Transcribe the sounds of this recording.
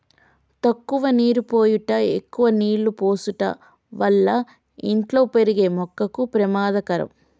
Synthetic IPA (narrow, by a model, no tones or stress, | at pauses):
t̪ɐkːuʋɐniːɾupoːjuʈɐekːuʋɐniːɭːupo̞ːsuʈɐ̰ | ʋɐlːɐ | iɳʈlo̞ːpe̞ɾiɡe̞ːmɔkːɐkupɾɐmaːd̪ɐkɐɾɐ̰m